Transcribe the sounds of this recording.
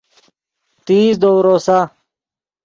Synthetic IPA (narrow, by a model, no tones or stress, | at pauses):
t̪iːsd̪owɾoːsa